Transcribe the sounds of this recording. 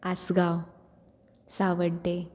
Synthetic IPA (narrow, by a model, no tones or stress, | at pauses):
asɡaw | saʋəɽɖe